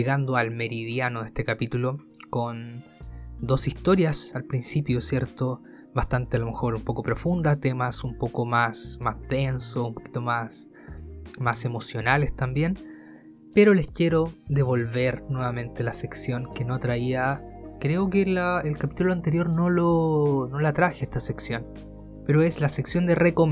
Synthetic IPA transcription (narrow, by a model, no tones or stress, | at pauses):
eɣand̪oalme̞ɾiðjanoðest̪e̞kapit̪ulo | kon | d̪o̞sist̪o̞ɾjasalpɾinsipjosje̞ɾt̪o | βast̪ant̪ealo̞me̞xo̞ɾumpo̞ko̞pɾo̞fund̪at̪e̞masumpo̞komasmazðe̞nsoumpo̞̥ki̥t̪omas | mase̞mo̞sjo̞nale̞st̪ambje̞n | pe̞ɾo̞le̞skje̞ɾo̞ðe̞βo̞lβe̞ɾnwe̞βamẽ̞nt̪elaseksjo̞ŋkenot̪ɾaiakɾe̞okelaelkapit̪uloant̪eɾjo̞ɾno̞lono̞lat̪ɾaxeest̪aseksjo̞n | pe̞ɾoeslaseksjo̞nd̪erekom